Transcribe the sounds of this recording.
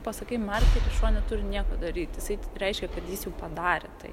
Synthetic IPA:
pɐsɐkʲɐɪmɐrʲkʲɐɪkɐʃuɔnʲɛt̪ʊɾʲɪnʲiɛkɐd̪ɐɾʲiːt̪ʲjɪsɐɪɾʲɛɪʃʲkʲɛkɐt̪jiːsjɛʊpɐd̪ɑːɾʲɛt̪ɐɪ

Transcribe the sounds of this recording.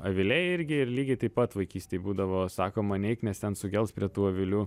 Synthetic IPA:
ɐʋʲɪlʲɛɪɪɾʲɡʲɪɪɾlʲiːɡʲɛɪt̪ɐɪpɐt̪ʋɐɪkʲiːsʲt̪ʲeɪbuːd̪ɐʋoːsɑːkoːmɐnʲɛɪknʲɛst̪ʲɛnsʊɡʲɛlˠspʲɾʲiɛt̪uːɐʋʲɪlʲuː

